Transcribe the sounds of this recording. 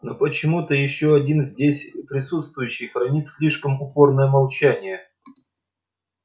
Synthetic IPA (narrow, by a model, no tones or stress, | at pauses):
nopət͡ɕɪmut̪əjɪɕːoɐdʲinzʲdʲesʲpɾʲɪsut̪st̪vʊjʉɕːɪjxɾɐnʲit̪sʲlʲiʂkəmʊpo̞rnəjəmɐlˠt͡ɕænʲɪjə